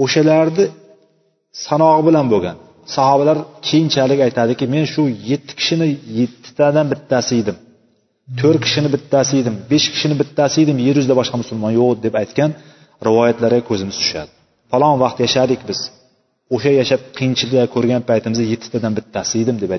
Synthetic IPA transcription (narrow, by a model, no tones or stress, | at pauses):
oʃalaɾd̪ɪ | sanɒʁɨbɪlanboɡʲan | sɑhɒbalaɾkʲʰejɪnt͡ʃʰalɪkʲajt̪ʰad̪ɪkʲɪme̞nʃʊjet̪ʰːɪ̥kʲʰɪ̥ʃɪnɪjet̪ʰːɪ̥t̪ʰad̪anbɪt̪ʰːasɪjd̪ɪm | t̪ʰɵɾkʲʰɪ̥ʃɪnɪbɪt̪ʰːasɪjd̪ɪmbeʃkʲʰɪ̥ʃɪnɪbɪt̪ʰːasɪjd̪ɪmjeɾjʊzd̪abɒʃqɑmʊsʊlˠmɒnjoqd̪epajt̪kʲan | ɾɪvɒjat̪laɾɡʲakʰɵzɪmɪz̥t̪ʰʊ̥ʃa̰d̪ɪ̥ | falˠɒnvɑqt̪jaʃad̪ɪkʲbɪz̥ | oʃajaʃap̚qʰijɪnt͡ʃʰɪlɪd̪akʰɵɾɡʲanpʰajt̪ʰɪmɪzaje̞t̪ʰːɪ̥t̪ʰad̪anbɪt̪ʰːasɪjd̪ɪmd̪e̞pa